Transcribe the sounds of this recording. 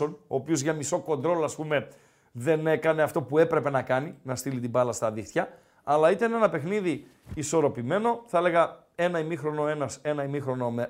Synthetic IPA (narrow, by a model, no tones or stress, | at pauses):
o̞no̞ːpio̞zʝɐmiso̞ko̞nd̪ɾo̞loɐspume̞ | ðe̞ne̞kɐneɐft̪o̞pue̞pɾe̞pe̞nɐkɐninɐst̪ilit̪ibɐlɐst̪ɐðixt̪çɐ | ɐlɐit̪ɐne̞nɐpe̞xniðiː | so̞ɾo̞pime̞no̞θɐeleɣɐ | e̞nɐimixɾo̞no̞e̞nɐse̞nɐimixɾo̞no̞me